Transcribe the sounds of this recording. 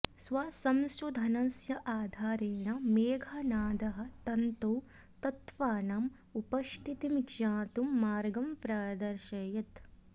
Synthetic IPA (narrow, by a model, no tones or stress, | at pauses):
sʋɐsɐmsud̪ʱɐnɐsjɐʔaːd̪ʱaːɾeːɳɐmeːɡʱɐnaːd̪ɐɦɐ̆t̪ɐnt̪oː | t̪ɐt̪ʋaːɳaːm | upɐʃʈ̪ʰit̪imiɡʃãːt̪umːaːɾɡɐmpɾaːd̪ɐɾʃɐːjɐt̪